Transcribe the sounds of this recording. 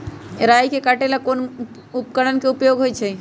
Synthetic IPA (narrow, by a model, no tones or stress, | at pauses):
ɾaːjkekaʈelakoːn | ʊpkəɽənkeʊpjoːɡʱɦoit͡ʃʰe